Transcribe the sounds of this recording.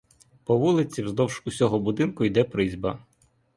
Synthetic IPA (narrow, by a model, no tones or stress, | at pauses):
pɔʋulˠɪt͡sʲiwzd̪ɔwʃkʊsʲɔɦɔbʊd̪ɪnkʊjd̪ɛpɾɪzʲbɐ̰